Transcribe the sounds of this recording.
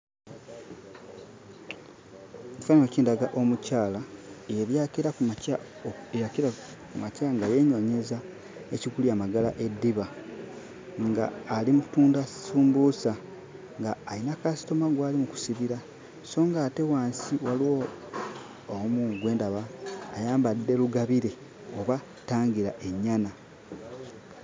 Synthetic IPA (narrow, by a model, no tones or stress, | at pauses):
ci̥fanŋociːndaɡaʔo̞mucaːlaeβjakeɾaa | ejakɾa | kumacaŋɡaje̞ɲo̞ɲe̞za | eciɡuliamaɡala̰ʔe̞dːiβa | ŋɡa̰ːlimutuːndasuːmbusa | ŋɡaːinakasi̥to̞maɡwaːlimuku̥siβiɾa | so̞ːŋɡaːte̞waːnsiwaliwo | muɡwe̞ːndaβaːjaːmbadːe̞luɡaβiɾe̞ | oβa | taːŋɡiɾa̰ʔe̞ɲːana